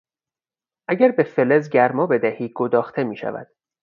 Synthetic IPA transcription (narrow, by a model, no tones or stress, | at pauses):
ʔæɟæɾbe̞felezɟæɾmɒːbe̞d̪æhiːɡod̪ɒːxt̪ʰe̞miːʃæ̰væ̰d̪̥